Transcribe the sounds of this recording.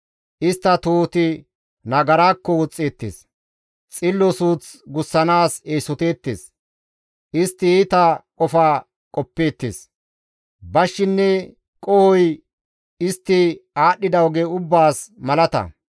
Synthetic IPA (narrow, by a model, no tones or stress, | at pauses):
ʔɪst̪ːɐt̪oːt̪ɪ | nɐɡɐɾaːkːɔwɔt͡sʼːe̞ːt̪ːḛːs | t͡sʼɪlːɔsuːt͡sɡʊsːɐnaːseːsɔt̪eːt̪ːḛːs | ʔɪst̪ːɪiːt̪ɐkʼɔfaː | kʼɔpːe̞ːt̪ːḛːs | bɐʃːɪnːɛ | kʼɔhɔj | ɪst̪ːɪaːɗːɪd̪ɐwɡeʊbːaːsmɐlɐt̪ɐ̰